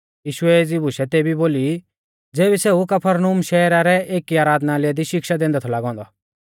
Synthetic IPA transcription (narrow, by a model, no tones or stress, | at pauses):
jiːʃʊɛeːd͡zibʱʊʃɛt̪eːbiboːli | d͡zeːbiseukɐpʰəɾnumʃɛːɾaɾɛʔeːkːiaːɾaːd̪nalɛd̪iʃɪkʃad̪ẽːnd̪ɛt̪ʰɔlaːɡɔ̃ːnd̪ɔ